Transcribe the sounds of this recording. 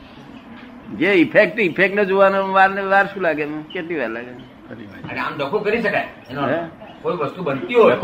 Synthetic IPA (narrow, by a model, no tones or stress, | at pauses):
d͡ʒeipʰek̚ʈipʰek̚ʈned͡ʒoʋanoʋaɾneʋaɾʃũlaɡemẽket̪iʋaɾlaɡe | kəɾiʋaaneamd̪əkʰokəɾiʃəka | enoɦɛkoiʋəst̪ubənt̪iuɦo